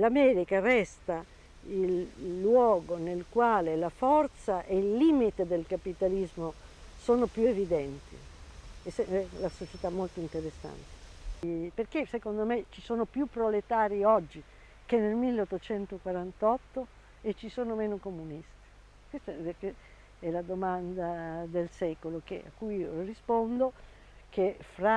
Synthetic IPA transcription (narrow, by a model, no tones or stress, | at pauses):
lamɛːɾikarɛst̪a | ilːwɔːɡonelkwaːlelafɔrt̪saʔeilːiːmit̪ed̪elkapit̪alizmosoːnopjuevid̪ɛnt̪ḭsɛɛlasot͡ʃet̪amːolt̪oint̪eɾesːa̰nt̪e̥ | perkesekond̪omet͡ʃːisoːnopjupːɾolet̪aːɾiɔd͡ʒːi | kenːelmilːeot̪ːot͡ʃɛnt̪okwaɾant̪ɔt̪ːo | et͡ʃːisoːnomeːnokomunist̪i̥ | kwest̪ake | ɛlad̪omand̪ad̪elsɛːkolokḛa̰kːujiorispond̪o | kefɾa